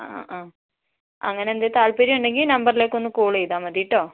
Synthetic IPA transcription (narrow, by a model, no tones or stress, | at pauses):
ʔaː | ɐ̰ŋːɐneend̪et̪aːɭpeːɾiuɳɖe̞ŋɡilnɐmbɐrileːkːo̞nːɨkuːɭejðaːmɐðijiʈːoː